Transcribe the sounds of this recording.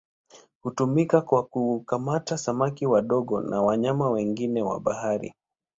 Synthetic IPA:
hutumikakwakukamatasamakiwaɗɔɠɔnʔawaɲamawɛŋɡinɛwa̰ɓahaɾḭ

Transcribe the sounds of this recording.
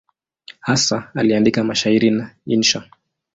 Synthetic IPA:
hasaaliandikamaʃaiɾinainʃa

